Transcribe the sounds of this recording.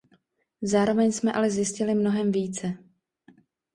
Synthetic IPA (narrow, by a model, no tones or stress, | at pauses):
zaːɾo̞vɛɲsmɛʔalɛzjɪscɪlɪmno̞ɦɛmviːt͡sɛ